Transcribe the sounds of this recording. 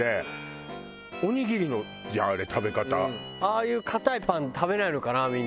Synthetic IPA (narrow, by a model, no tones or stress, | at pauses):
e | o̞ɲ̟iɡʲiɾʲino̞ | jaɾet̪ʰabe̞kat̪a | aːjɯ̟ːkʰat̪aipãnt̪ʰaβe̞naeɾɯ̟kanamʲĩn